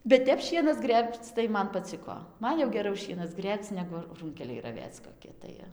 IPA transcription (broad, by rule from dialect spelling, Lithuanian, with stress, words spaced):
bʲɛt ˈtʲɛp ˈʃʲiɛnɐs ˈɡrʲeːpt͡s tɐɪ ˈmɐn pɐˈt͡sʲɪkoː ˈmɐn jɛʊ ɡʲɛˈrɐʊ ˈʃʲiɛnɐs ˈɡrʲeːpt͡s ˈnʲæːɡʊ ˈruːŋʲkʲɛlʲɛɪ rɐˈʋʲeːt͡s koːˈkʲɪ tɐɪ